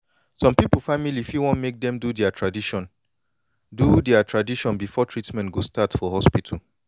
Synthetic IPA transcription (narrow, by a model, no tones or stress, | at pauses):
sɔ̃mpipulˠfamilifiwɔ̃nmek̚dɛ̃mdudɛatʰɹadiʃɔ̃n | dudɛatʰɹadiʃɔ̃nbifɔtʰɹitmɛ̃ntɡostatfɔhɔspitʰal